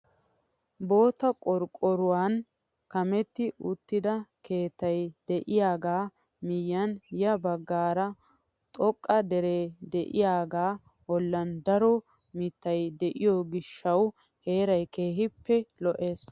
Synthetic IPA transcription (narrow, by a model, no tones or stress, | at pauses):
bo̞ːt̪ɐkʼɔɾkʼɔɾʊwaːn | kɐmɛt̪ːɪʊt̪ːɪd̪ɐke̞ːt̪ɐjd̪̥ɛʔɪjaːɡaː | mɪjːɐnjɐbɐɡːaːɾɐ | t̪ʼɔkʼːɐd̪ɛɾeːd̪ɛʔɪjaːɡaː | wɔlːɐnd̪ɐɾɔ | mɪt̪ːɐjd̪ɛʔɪjɔɡɪʃːɐw | he̞ːɾɐjke̞ːɦɪpːɛlɔʔe̞ːs